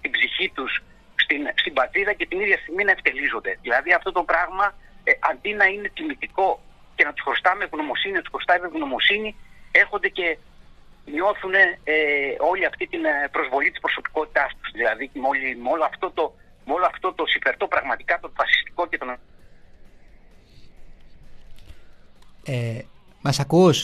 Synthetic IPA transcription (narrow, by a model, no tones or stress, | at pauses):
t̪ibziçit̪us | st̪inst̪ibɐt̪ɾiɾɐce̞t̪iniðʝɐst̪iɣminɐe̞ft̪e̞lizo̞nd̪e̞ðilɐðiɐft̪o̞t̪o̞pɾɐɣmɐʔɐnd̪inɐine̞t̪imit̪iko̞ | ce̞nɐt̪u̥sxost̪ɐmeɣno̞mo̞sininɐt̪usxost̪ɐmeɣno̞mo̞sinie̞xo̞nd̪ece̞ | ɲo̞θune̞eo̞liɐft̪it̪inpɾo̞zvo̞lit̪i̥spɾo̞so̞pi̥ko̞t̪it̪ɐst̪u̥zðilɐðimo̞limo̞loɐft̪o̞t̪o̞ | mo̞loɐft̪o̞t̪o̞sife̞ɾt̪o̞pɾɐɣmɐt̪i̥kɐt̪ovɐsi̥st̪i̥ko̞cet̪o̞n | emɐsɐkus